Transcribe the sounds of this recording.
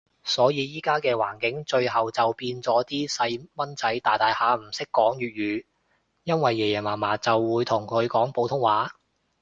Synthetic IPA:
sɔː˨˥jiː˨˧jiː˥kaː˥kɛː˧waː˨˩nkɪ˨˥ŋt͡ʃɵ˧ɥɦɐ˨wt͡sɐ˨wpiː˧nt͡sɔː˨˥t̪iː˥sɐ˧jmɐ˥nt͡sɐ˨˥jt̪aː˨jt̪aː˨jhaː˨˥m̩˨˩sɪ˥kːɔː˨˥ŋjyː˨t̚ɥyː˨˧ | jɐ˥nwɐ˨jːɛː˨˩jɛː˨˩maː˨˩maː˨˩t͡sɐ˨wːuː˨˧jt̪ʰʊ˨˩ŋkʰɵ˨˧ɥkɔː˨˥ŋpo˨˧wt̪ʰʊ˥ŋwaː˨˥

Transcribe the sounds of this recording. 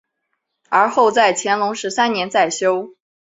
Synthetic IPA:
ə˞˧˥xo˥˧ʊt͡sa˥˩ɪt͡ɕʰjɛ˧˥nlʊ˧˥ŋʂɻ̩˧˥sa˥nnjɛ˧˥nt͡sa˥˩ɪɕjo˥ʊ

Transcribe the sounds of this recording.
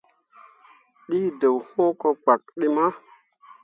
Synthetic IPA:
ɗiː˦də˨who˦ko˧k͡pa˨k̚ɗi˦ma˦

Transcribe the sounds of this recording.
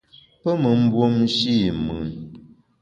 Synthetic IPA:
pə˦mə˨m̩˦bwo˦mʃi˦mɨ˨n

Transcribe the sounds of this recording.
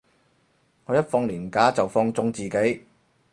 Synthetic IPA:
ŋʰɔː˨˧jɐ˥t̚fɔː˧ŋliː˨˩nkaː˨˥t͡sɐ˨wfɔː˧ŋt͡sʊ˧ŋt͡siː˨ke˨˥j

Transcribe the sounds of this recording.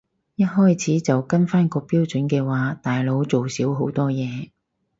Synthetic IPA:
jɐ˥t̚hɔː˥jt͡sʰiː˨˥t͡sɐ˨wkɐ˥nfaː˥nkɔː˧piː˥wt͡sɵ˨˥nkɛː˧waː˨˥t̪aː˨jlo˨˥wt͡so˨wsiː˨˥wɦo˨˥wt̪ɔː˥jɛː˨˧

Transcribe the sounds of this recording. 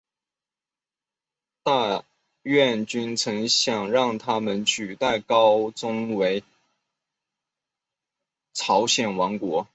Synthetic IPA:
t̪a˥˧ | ɥɛ˥˩nt͡ɕy˥nt͡sʰɤ˧˥ŋɕjɑ˨˩ŋɻɑ˥˩ŋt̪ʰa˥mə˨nt͡ɕʰy˨˩t̪a˥˩ɪkɑ˥ʊt͡sʊ˥ŋwe˧˥ɪ | t͡sʰɑ˧˥ʊɕjɛ˨˩nwɑ˧˥ŋkwɔ˧˥

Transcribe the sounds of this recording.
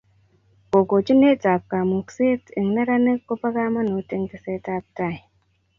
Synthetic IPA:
o˨ɡo˨d͡ʒi˦ne˦ta˨p̚ka˨mu˨kse˦ti˨ŋna˦ɾa˦ne˦kːo˦pa˦ka˦ma˦nu˨˦te˦ŋke˦se˦ta˦p̚ta˦˨j

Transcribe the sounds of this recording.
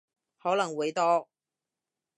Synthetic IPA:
hɔː˨˥lɐ˨˩ŋwuː˨˥jt̪ɔː˥

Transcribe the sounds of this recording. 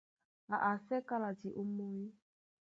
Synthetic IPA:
a˨ʔa˨sɛ˦ka˦la˨ti˨ʔo˦mɔ˦ji˦

